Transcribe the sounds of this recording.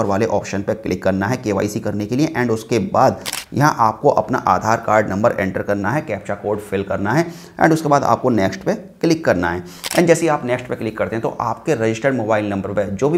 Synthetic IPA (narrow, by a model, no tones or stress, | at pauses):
əɾʋaːleʔɔːpʃənpeklɪkːɐɾnaɦɛkeːʋa̰ːisikɐɾnekelieʔɛ̃ːɳɖʊskebaːd̪jɐ̰ɦãʔaːp̚koʔɐpna̰ʔaːd̪ʱaːɾkaːɾɖnɐ̃mbəɾʔɛ̰̃ːɳʈəɾkɐɾnaɦɛkɛːpt͡ʃakoːɾɖfɪlkɐɾnaɦɛ | ɛ̰̃ːɳɖʊskebaːd̪a̰ːp̚konɛːksʈpeklɪkːɐɾnaɦɛː | ɛ̰̃ːɳɖd͡ʒɛːseaːpnɛːksʈpeklɪkːɐɾt̪ẽɦɛ̃t̪o̰ʔaːp̚keɾɐd͡ʒɪsʈəɖmoːbaːɪlnɐ̃mbəɾped͡ʒoːbʱi